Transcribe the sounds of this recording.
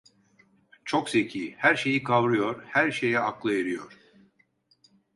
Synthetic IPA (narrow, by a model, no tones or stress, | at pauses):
t͡ʃʰo̞kse̞cʰiːhæɾʃe̞jikʰavɾɯjo̞ɾhæɾʃe̞jɛaklˠaeɾɯjoɾ̥